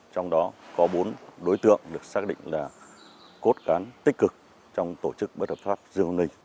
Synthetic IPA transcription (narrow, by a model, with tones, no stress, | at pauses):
t͡ɕɔ˧wŋ͡mɗɔ˨˦kɔ˨˦ɓo˨˦nɗo˨˦jt̪ɨ̰˧˨əŋɗɨ˨˩ək̚saː˦˥k̚ɗḭ˧˨ŋ̟laː˨˩ | ko˦˥t̚kaː˨˦nt̪ï˦˥k̟̚kɨ˨˩k̚ | t͡ɕɔ˧wŋ͡mt̪o˧˩t͡ɕɨ˦˥k̚ɓə˦˥t̚həː˨˩p̚faː˦˥p̚zɨ˧əŋ˧nlï˧˩ŋ̟